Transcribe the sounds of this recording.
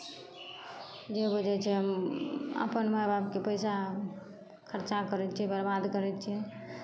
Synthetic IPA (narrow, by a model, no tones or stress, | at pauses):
d͡ʒebud͡ʒɛt͡ʃʰɛ | ə̰pənməjbab̚kepəɪsa | kʰəɾt͡ʃakəɾɛt̪t͡ʃʰiɛbəɾbad̪kəɾɛt͡ʃʰiɛ